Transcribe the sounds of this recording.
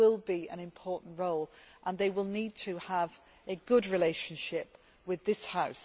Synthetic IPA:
ɪlˠbiə̰̃ñɪ̃mpʰɔˑʔn̩ʔɹoʊlʔə̃nðeɪwɪlˠniːd̚tʰəəv | əɡʊdɹɪleɪʃə̃nʃɪp | wɪðɪshaʊs

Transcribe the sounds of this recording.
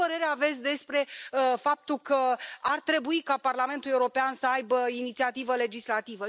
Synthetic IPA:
əɾe̞ɾeave̞t̪sʲd̪e̞spɾe̞fap̚t̪ulkəart̪ɾe̞buikaparlame̞nt̪ule̞uɾo̞peansəajbəinit̪siat̪ivəle̞d͡ʒislat̪ivə

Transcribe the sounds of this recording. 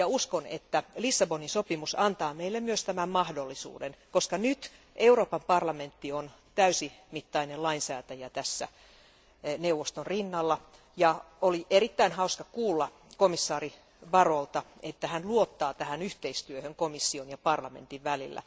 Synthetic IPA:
jɑuskonḛt̪ːælisːɑboninsopimusɑnt̪ɑːmeilːemmyøst̪æmæmmɑhdolːisṵːdenkoskɑnyt̪ | ʔeuroːpɑmpɑrlɑment̪ːion | t̪æysimit̪ːɑinelɑinsæːt̪æjæt̪æsːæ̰ | newʋːost̪onrinːɑlːɑ | jɑ | oliʔeɾit̪ːæinhɑuskɑkuːlːɑ | komisːɑːri | ʋɑrolt̪ɑet̪ːæhænluot̪ːɑːt̪æhænyht̪eist̪yøhøŋkomisːionjɑpɑrlɑmḛnt̪iʋʋælilːæ̰

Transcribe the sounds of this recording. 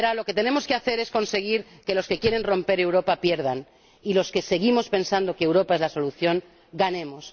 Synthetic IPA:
ɾalo̞ke̞t̪e̞ne̞mo̞ske̞aθe̞ɾe̞sko̞nse̞ɣ̞iɾke̞lo̞ske̞kje̞ɾe̞nro̞mpe̞ɾe̞wɾo̞papje̞ɾð̞an | ilo̞ske̞se̞ɣ̞imo̞spe̞nsand̪o̞keewɾopae̞zlaso̞luθjo̞ŋ | ɡanẽ̞mo̞s

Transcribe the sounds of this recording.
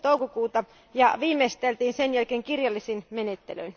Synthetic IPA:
t̪oukokuːt̪ɑ | jɑʋiːmest̪elt̪iːnsenjælkeːŋkirjɑlːisinmenet̪ːelø̰in

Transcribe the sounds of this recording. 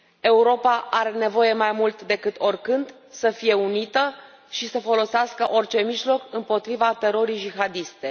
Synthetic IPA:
e̞uɾo̞paʔaɾe̞ne̞vo̞je̞majmult̪d̪e̞kɨt̪o̞rkɨnd̪ | səfije̞unit̪ə | ʃisəfo̞lo̞seaskəʔo̞rt͡ʃe̞miʒlo̞kɨmpo̞t̪ɾivat̪e̞ɾo̞ɾijd͡ʒixad̪ist̪e

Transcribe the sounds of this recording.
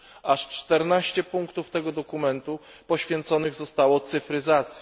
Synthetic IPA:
aʂt͡ʂt̪ɛɾnaɕt͡ɕɛpuŋkt̪uft̪ɛɡɔd̪ɔkumɛnt̪u | pɔɕfʲjɛnt̪sɔnɘɣzɔst̪awɔt̪sɘfɾɘzat̪sʲjɛ

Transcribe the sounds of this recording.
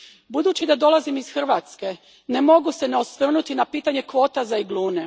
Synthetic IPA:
bud̪uːt͡ɕid̪ad̪o̞lˠazimizxr̩ʋaːt̪ske | nemo̞ɡuse̞neosʋr̩nut̪inapiːt̪aɲe̞kʋo̞ːt̪azaiɡlˠuːne

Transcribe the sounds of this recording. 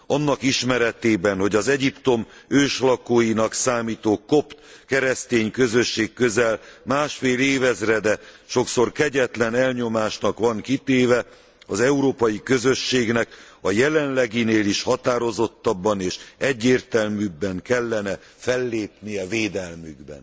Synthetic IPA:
ɒnːɒkiʃmɛɾɛt̪eːbɛnho̞ɟɒzɛɟipt̪o̞møːʃlɒkoːjinɒksaːmiːt̪oːkop̪kɛɾɛst̪eːɲkø̞zø̞ʃːeːkːø̞zɛlmaːʃfeːleːvɛzrɛd̪ɛ | ʃo̞kso̞rkɛɟɛt̪lɛnɛlɲo̞maːʃnɒkʋɒŋkit̪eːvɛ | ɒzɛuɾoːpɒjikø̞zøʃːeːɡnɛkɒjɛlɛnlɛɡineːliʃhɒt̪aːɾo̞zo̞t̪ːɒbːɒneːʃɛɟːeːrt̪ɛlmybːɛŋkɛlːɛnɛ | fɛlːeːpnijɛveːd̪ɛlmyɡbɛ̰n

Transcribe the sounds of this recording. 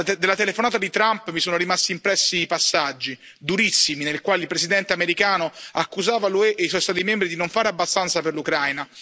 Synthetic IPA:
d̪elːat̪elefonaːt̪ad̪it̪ɾampmisoːnoɾimast̪iːmpɾɛsːiːpasːad͡ʒːi | d̪uɾisːiminelkwaːlilpɾesid̪ɛnt̪eameɾikaːnoakːuzaːvalueʔːiswɔjst̪at̪imɛmbɾid̪inoɱfaːɾeabːast̪ant̪saperlukɾajna

